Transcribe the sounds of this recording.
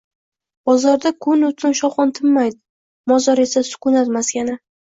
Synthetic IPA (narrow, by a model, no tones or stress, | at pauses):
b̥ɒzɒɾd̪akʰʊnʊt̪ʰɪnʃɒwχɒnt̪ʰɪmːajd̪ɪ | mɒzɒɾe̞sasʊ̥kʊnat̪maskʲanɪ